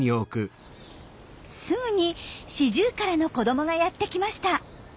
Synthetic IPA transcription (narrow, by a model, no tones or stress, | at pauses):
ɲio̞ːkɯ̟ | sɨŋɯ̟ɲ̟iɕiʑɨːkaɾano̞ko̞d̪o̞mo̞ɡajat̪ːe̞kʲimaɕi̥t̪a